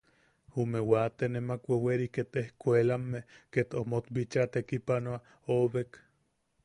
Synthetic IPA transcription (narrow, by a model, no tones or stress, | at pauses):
humewat̪enemakʷeweɾiket̪ehkʷelamːeket̪omot̪bit͡ʃat̪ekipanoa | oβek